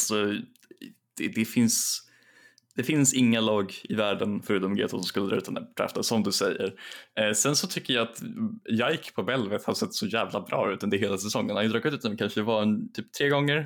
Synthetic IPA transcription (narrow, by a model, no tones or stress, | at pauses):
alsɔ | d̪̥ɛd̪ɛfɪns | d̪̥ɛfɪnsɪŋːalɑːɡɪvæːɖənfœɾʉ̟ːt̪ɔmɡḛːt̪ʊsɔmskɵlːəd̪ɾɑ̰ːʉ̟t̪nd̪ʰɾɛ̰ft̪əsɔmd̪ɵsɛjːə̰ɾsɛnsɔt̪ʰʏkːəjɑat̪jajkpʰɔbɛlvət̪had̪sɛt̪ːsɔjæːvlabɾɑ̰ːʉ̟ːt̪ːɛnd̪ɛɦeːlasɛsɔŋːənhand̪ɾɑːɡkʉ̟t̪ʉːt̪ːmɛnkʰanʂəd̪ɛvaɛnt̪ʰyːp̚t̪ʰɾeːɡɔŋːəɾ